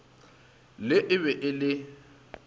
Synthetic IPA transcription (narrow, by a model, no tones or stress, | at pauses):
lɪʔɪβɛʔɪlɪ